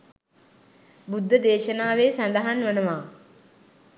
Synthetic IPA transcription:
bud̪ʱːəd̪eːʃənaːʋeːsand̪əɦanʋənəʋaː

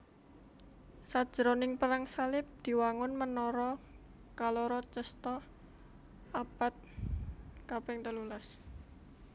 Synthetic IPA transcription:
sḁʒ̥əɾonɪŋpəɾaŋsalɪp̚d̪̥i̤waŋʊnmənɔɾɔ | kaloɾɔt͡ʃəst̪ɔ | apat̪̚ | kapɛŋt̪əlulas

